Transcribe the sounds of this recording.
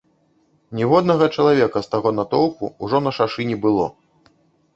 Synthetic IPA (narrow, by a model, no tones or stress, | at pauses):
nʲɛvɔd̪̚nɐɣɐt͡ʂɐlˠavʲɛkɐst̪aɣɔnɐt̪ɔwpṵːʐɔnɐʂaʂɨnʲɛbɨlˠɔ̰